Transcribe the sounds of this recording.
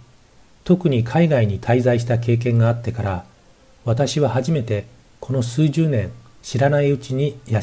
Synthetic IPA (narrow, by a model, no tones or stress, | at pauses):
t̪o̞kɯ̟ɲ̟ikʰaiɡaiɲ̟it̪ʰaizaiɕ̬i̥t̪ake̞ːk̬ẽ̞ŋɡaːt̪ːe̞kaɾa | βat̪aɕiβahaʑime̞t̪e̞ | kʰo̞no̞sɨːʑɨːnẽ̞ŋ | ɕiɾanaiɯ̟t͡ɕiɲ̟ija